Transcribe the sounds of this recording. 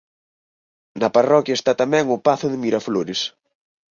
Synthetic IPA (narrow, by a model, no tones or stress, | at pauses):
nɐparɔkjɐest̪at̪amɛŋʊpaθʊðɪmiɾafloɾɪs